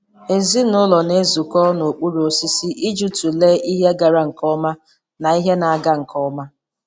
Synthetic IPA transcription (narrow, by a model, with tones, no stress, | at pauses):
e˨zi˦nʊ˦lɔ˨ne˦zu˨kɔ˦no˨k͡pu˦ɾo˨si˦si˦ʔi˦d͡ʒu˦tu˨le˦i˦ɦe˦ɡa˨ɾa˦ŋ̩˨kɔ˦ma˦ | na˨i˦ɦe˦na˨a˨ɡa˦ŋ̩˨kʰɔ˦ma˦